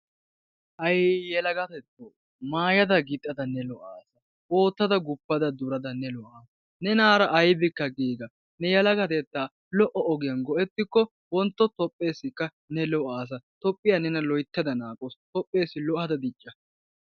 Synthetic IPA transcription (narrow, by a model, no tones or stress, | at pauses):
ʔɐjjɛlɐɡɐt̪ɛt̪ːoː | maːjɐd̪ɐɡɪt̪ʼːɐd̪ɐnːɛlɔʔaːsɐ | o̞ːt̪ːɐd̪ɐɡʊpːɐd̪ɐd̪ʊɾɐd̪ɐnɛlɔʔaː | nɛnaːɾɐʔɐjbɪkːɐɡiːɡɐ | nɛjɐlɐɡɐt̪ɛt̪ːaː | lɔʔɔɔɡɪjɐnɡɔʔɛt̪ːɪkːɔ | wɔnt̪ːɔt̪ɔpʼːe̞ːsːɪkːɐ | nɛlɔʔaːs̬ɐt̪ɔpʼːɪjɐnɛnɐlɔjt̪ːɐd̪ɐnaːkʼɔst̪ɔpʼːe̞ːsːɪlɔʔɐd̪ɐd̪ɪt͡ʃʼːɐ